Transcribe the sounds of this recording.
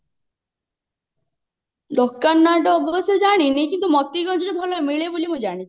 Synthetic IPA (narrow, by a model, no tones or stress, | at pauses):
d̪ɔkːanːaɖɔːbɔsed͡ʒaɽ̃inikint̪umɔt̪iɡɔnd͡ʒɔɾebʱɔlɔemiɭebulimũd͡ʒaɽ̃it͡ʃʰi̥